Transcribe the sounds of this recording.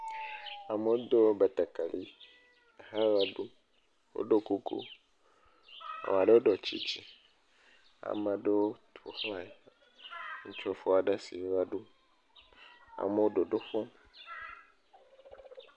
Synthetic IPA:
a˨me˨wo˦d̪o˦wbe˨t̪ɛ˨ka˨li˦˨ | ha˦wa˦ɖu˦ | wo̰˦ɖo˦ku˦kṵ˦ | a̰˨m˨a˨ɖe˦wo˦ɖɔ˨t͡ɕḭ˦t͡ʃi˦ | a̰˨mã˨ɖe˦wo˦t̪ʰo̰˨xla˨e˦˨ | ŋ̩˦t͡ʃo˦fo˦a˨ɖe˦si˨˦wa˦ɖu˦ | a̰˨me˨˦wo˦ɖo˨ɖo˦ɸɔ̃˦

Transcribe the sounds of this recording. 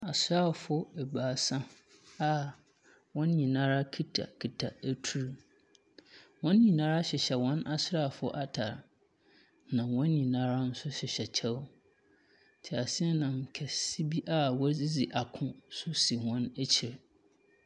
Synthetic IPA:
a˨sɾa˦˨fʊ˦ɛ˨baː˨sã˦ | a˨ | wɔ̃˦n˦ɲĩ˨nã˦ɾa˦kʰi˦tʰa̰˨kʰi˨tʰa˨æ˦tʰu˦ɾu˨ | wɔ̃˦n˦ɲĩ˨nãː˦ɾa˦ɕɪ˨ɕɛ˨wɔ̃˦nʔa˦sʊ˦ɾa˦˨fʊ˦ʔa˦tʰa˨ɾ | nã˨wɔ̃˦n˦ɲĩ˨nã˦ɾa˦n̩˦sʊ˦ɕɪ˨ɕɛ˨t͡ɕʰɛ˦w | tʰɪ˨a˨sɪ˦ɛ˦nã˨ŋ̩˨kʰɛ˨si˦bi˦ʔa˦wɔ˦zi˦d͡zi˨ʔa˨kʰʊ̃˦sʊ˦si˨hɔ̃˦næ˦t͡ɕʰɪ˨ɾ

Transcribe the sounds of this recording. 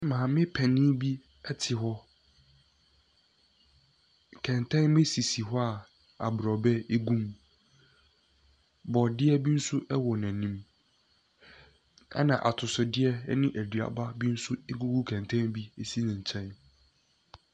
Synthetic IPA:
mãː˨mɪ̃˦pʰɛ˨nɪ̃˦bi˦ | ɛ˦tʰɪ˨ɦɔ˦ | kʰɛ̃˨ntʰɛ̃˦nbe˦si˨si˨ɦɔ˦a˨ | a̰˨bɾɔ˨bɛ˦e˦ɡũ˦m | bɔ˨dɪ˦ɛ˦bi˦n̩˦sʊ˦ʔɛ˦wɔ˨nã˨nĩ˦m | a̰˦nã̰˨ʔa̰˨tʰʊ˨sʊ˨dɪ˦ɛ˦nɪ̃˦ʔæ˨dɥa̰˨ba˦bĩ˦n̩˦sʊ˦ɡu˦ɡu˦kʰɛ̃˨n˨tʰɛ̃˦nbi˦e˦si˦nɪ̃˨ɲ˨t͡ɕʰɛ̃˦n

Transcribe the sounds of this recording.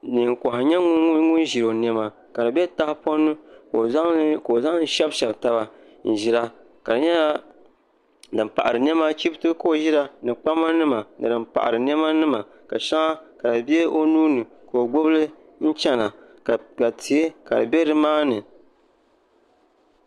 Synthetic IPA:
nɨ˨ŋ˨kɔ˨hɪ˨ɲɛ˦ŋʊ˦n˦ʒi˨ɾo˨nɛ˦ma˨ | ka˨dɨ˨bɛ˦ta˦hɪ˦po˦nːɨ˦˨˦ | ko˨o˨za˦ŋ˦n̩˦ʃɛ˦bʃɛ˨bta˦ba˨ | n̩˨ʒi˦ɾa˦ | ka˨dɨ˨ɲɛ˦a˦ | dɨ˨mpa̰˨ʔa˨ɾɨ˨n˦ɛ˦ma˦t͡ʃi˦btɨ˦ko˦o˨ʒi˦ɾa˦nɨ˨k͡pa˦ma˦nɨ˦ma˨nɨ˨dɨ˨mpa̰˨ʔa̰˨ɾɨ˨n˦ɛ˦ma˦nɨ˦ma˨ | ka˨ʃa˦ŋa˦ka˨dɨ˨bɛ˦o˦nuː˦nɨ˨ | ko˨o˨ɡ͡bo˦blɨ˦ | n̩˦t͡ʃɛ˦na˨ | ka˨tʰi˨˦e˦ka̰˨dɨ̰˨bɛ˦dɨ˦maː˦nɨ˨

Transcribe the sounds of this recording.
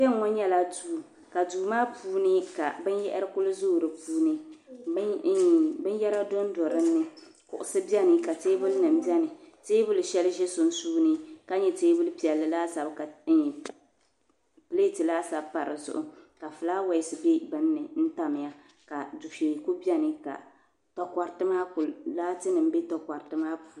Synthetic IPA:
bɛ˦ŋ˦ŋɔ˦ɲɛ˦la˦duː˦˨ | ka˨duː˨maː˦puː˦nɨ˦ka̰˨bɨ˦njɛ̰˦ʔɪ˦ɾɨ˦kʊ˦lɨ˦zʊː˦˨ɾɨ˨puː˦nɨ˦ | bɨ˦n˦jɛ˦ɾa˦dɔ˦n˦dɔ˨ɾɨ˦nːɨ˦ | kʊ̰˨ʔʊ˨sɨ˦bjɛ˦nɨ˨ka˨teː˦bʊ˦lnɨ˨mbi˦ɛ˦nɨ˨teː˦bʊ˦lʃɛ˦lʒɛ˦sʊ˨n˦suː˦nɨ˦ka˦ɲɛ˦teː˦bʊ˦lpi˨ɛ˨lːɨ˨laː˦sa˨bka˨˦˨ | ple˦tɨ˨laː˦sa˨bpa˨ɾɨ̰˨zʊ̰˨ʔʊ˦ka˨fɨ˨laː˦wa˨ɪ˨sɨ˨be˦bɨ˦nː˦ɨ˨n̩˦ta˦m˨ja˦ | ka˨du˨fe˨ku˦bi˦ɛ˦nɨ˨ka̰˨ | tɔ˨ka˨ɾtɨ˦maː˦kʊ˨llaː˦tɨ˦nɨ˨m˦be˦tɔ˨ka˨ɾtɨ˦maː˦pu˨˦

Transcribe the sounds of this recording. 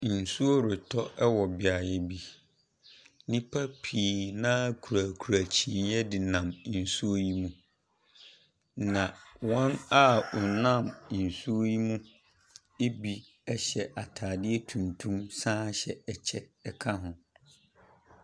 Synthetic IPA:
n̩˨su˦o˦ɾɪ˨tʰɔ˦ʔɛ˦wɔ˨bɪ˨a˨jɛ˦bi˦ | nĩ˦pʰa˦pʰiː˨nãː˦kʰu˨ɾaː˨kʰu˨ɾa˨t͡ɕʰĩ˨njɛ˦dɪ˨nã˨m˦n̩˨su˦o˦ji˦mũ˦ | nã˨wɔ̃˦na˦ʊ˨nã˦˨m˨n̩˨su˦o˦ji˦mũ˦ | e˦bi˦ | ɛ˦ɕɛ˨ʔa˨tʰaː˨dɪ˦ɛ˦tʰũ˨ntʰũ˦msãː˦ɕɛ˨ɛ˨t͡ɕʰɛ˦ɛ˨kʰa˦ɦʊ̃˨

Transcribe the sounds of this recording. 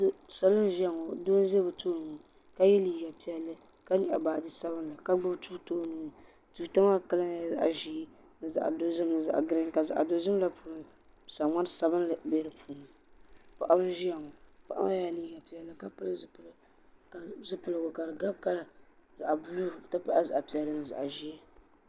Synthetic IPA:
sa˨lɨ˦n˦ʒi˦a˨ŋɔ˨doː˦n˦ʒɛ˦bɨ˨tʰoː˦nu˨ | ka˦jɛ˦liː˦ɡa˨pi˨ɛ˨lːɨ˦ | ka˦ɲi˨ʔa̰˨baː˨di˦sa˦bɨ˦n˦la˨ka˦ɡ͡bʊ˦btʰu˦toː˦nu˨ | tu˨ta˦ma˦˨ka˦la˦ja˨˦za̰˨ʔa̰˨ʒiː˦ | nɨ˨za̰˨ʔdo˦zɨ˦mnɨ˨za̰˨ʔɡɾɪ˦ŋ˦ka˨za̰˨ʔa̰˨do˨zɨ˦m˦la˦puː˦lʊ˦˨ | sa˨ŋa˦n˦sa˨bɨ˦nla˨be˦ɾɨ˦pʰuː˨nɨ˨ | pa˨ʔa˦bɨ˦ʒi˦ja˨ŋɔ˨pa˨ʔa̰˦a˦ja˦liː˦ɡa˨pi˨jɛ˨lːɨ˦ka˦pɨ˦lɨ˦z | ka˨zɨ˦pɨ˨lɨ˨ɡʊ˨ka˨dɨ˨ɡa˦b̚ka˦˨za˨ʔa˨bu˨luː˦˨ta˦pa˦ʔa˦za˨ʔa˨pi˨ɛ˨lːɨ˦nɨ˨za̰˨ʔa˨ʒi˦ɛ˦

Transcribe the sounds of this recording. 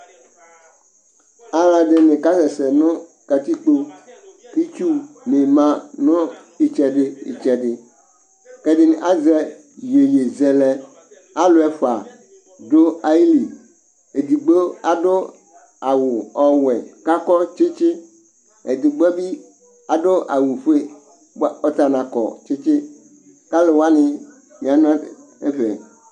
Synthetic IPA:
a˦la˨ɖɪ˦nɪ̃˨ka˦sɛ˨sɛ˨nʊ̃˦ka˨t̪i˦k͡po˦ki˦t͡ʃu˦ne˨mã˨nʊ̃˦ | i˨t͡ʃɛ˨ɖɪ˦ḭ˨t͡ʃɛ˨ɖɪ˨ | kɛ˦ɖɪ˦n˨ʔa˦zɛ˦ | je˨je˨zɛ˨lɛ˨ | a˦lo˨˦ɛ˨fa˨ | do˦a˨i˦li˨ | e˨d̪i˨ɡ͡bo˦a˨do˦ | a˨wʊ˨ɔ˨wɛ˨ka˦kɔ˦t͡ʃɪ˦t͡ʃɪ˦ | ɛ˨d̪ɪ˨ɡ͡bɔ˦bi˦ | a˨ɖo˦ʔa̰˨wu˨ɸe˦ | ɔ˦t̪a˨nã˨kɔ̰˨t͡ʃɪ˦t͡ʃɪ˦ | ka˦le˨wa˦nɪ̃˨ | mĩ˨a˨n˦ã˦ | e˦ɸɛ̰˨

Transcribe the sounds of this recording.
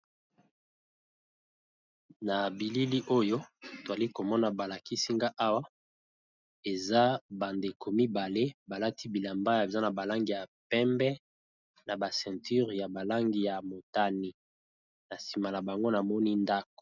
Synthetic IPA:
na˨bi˨li˦li˦ʔo˦jo˦to˨za˨li˦ko˨mɔ˦na˨ba˨la˨ki˦si˦ŋɡa˦ʔa˦wa˦ | e˨za˦ba˨nde˨kʰo˨mi˦ba˨le˦ba˨la˦ti˦bi˨la˨mba˦ja˨bi˨za˦na˨ba˨la˦ŋɡi˨ja˨pɛ˦mbɛ˦ | na˨ba˨sɛ̃˨ty˦ʁja˨ba˨la˦ŋɡi˨ja˨mo˨ta˦ni˨ | na˨si˨ma˨la˨ba˨ŋɡo˦na˨mɔ˦ni˦nda˦k̚o̥˨

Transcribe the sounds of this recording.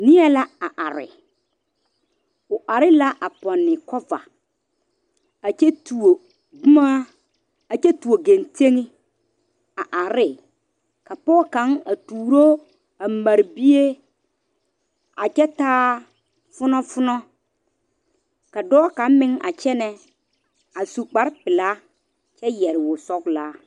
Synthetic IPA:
nɪ˦ɛ˦la˦a˨ʔa˨ɾɪ̰˨ | ʊ˨ʔa˨ɾɪ˦la˦ʔa˨pɔ˨nːɪ˨kɔ˦va̰˨ | a˨t͡ʃɛ˦tu˨o˨ | ɡu˦ma˦ | a˨t͡ʃɛ˦tu˨o˨ɡe˨nte˦ŋɪ˦ | a˨ʔa˨ɾɪ˦ | ka˨pɔː˦ka˨˦ŋa˨tuː˨ɾo˦ | a˨ma˨ɾbi˦e˦ | a˨t͡ʃɛ˦taː˦ | fʊ˦nɔ˦fʊ˦nɔ˦ | ka˨dɔː˦ka˨˦mɪ˦ŋʔa̰˨t͡ʃɛ˦nɛ˦ | a˨su˨k͡pa˨ɾpɪ˨la˦ | t͡ʃɛ˦jɛ˨ɾɪ˨wʊ˨sɔ˦klaː˦

